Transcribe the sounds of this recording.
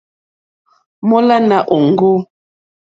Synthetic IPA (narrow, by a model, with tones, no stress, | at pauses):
mɔ˦la˦na˨ʔo˨ŋ˦ɡo˦